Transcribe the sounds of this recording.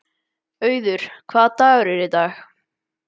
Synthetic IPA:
œːɥðʏɾ̥kʰvaːðt̪aːɣʏɾɛɾɪt̪aːx

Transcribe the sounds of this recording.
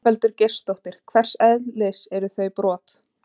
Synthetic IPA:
vɛlt̪ʏɾce̥st̪owht̪ɪɾ̥kʰvɛr̥sɛðlɪsɛɾʏθœɥpɾɔːt̪

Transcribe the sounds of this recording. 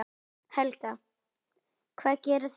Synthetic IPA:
hɛlka | kʰvaːðcɛːɾʏs

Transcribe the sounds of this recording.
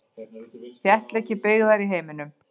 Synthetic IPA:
θjɛht̪lɛhcːɪpɪɣðaɾiɦeːjmɪnʏm

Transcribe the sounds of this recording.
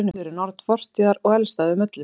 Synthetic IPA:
nʏfɪɾɪɾnɔɾt̪fɔr̥t̪iaɾɔɣɛlst̪aːðʏmɪt̪lɪ

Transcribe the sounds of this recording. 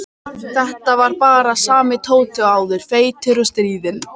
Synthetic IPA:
θɛht̪avaɾpaːɾasaːmɪt̪ʰoːwt̪ʰʏaːwðʏɾ̥feːjt̪ʰɪɾʏst̪ɾiːðɪn

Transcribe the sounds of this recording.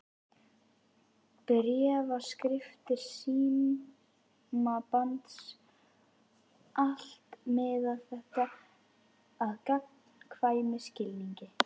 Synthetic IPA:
pɾjɛːvaskɾɪft̪ɪɾ̥siːm | mapant̪s | ʔal̥t̪mɛðaðθɛht̪a | aðkapn̥kʰvaːjmɪscɪlniɲcɪ

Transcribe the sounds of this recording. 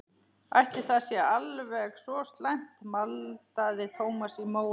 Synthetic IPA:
a̰jht̪ɪ̥θaðsjɛalvɛɣsɔst̪lajn̥t̪malt̪aðɪt̪ʰoːwmasimoːw

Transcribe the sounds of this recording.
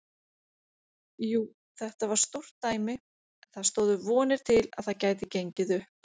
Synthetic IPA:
juː | θɛht̪avaɾ̥st̪owr̥t̪ːaːjmɪ | nθaðst̪oːwðʏvɔːnɪɾ̥t̪ʰɪla̰ðθaðcaːjðɪcejɲcɪðʏhp

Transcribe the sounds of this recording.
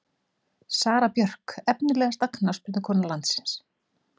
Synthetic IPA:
saːɾapjœr̥kɛpnɪlɛːɣast̪aknawspɪɾt̪ɪkʰɔːnalant̪sɪ̥ns

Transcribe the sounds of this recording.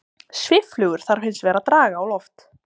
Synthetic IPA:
svɪflʏːɣʏɾ̥θaɾ̥fɪnsvɛːɾat̪ɾaːɣaːwlɔft̪

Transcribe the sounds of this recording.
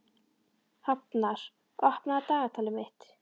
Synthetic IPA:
hapnaɾ̥ | ɔhpnaat̪aːɣat̪ʰaːlɪmɪht̪

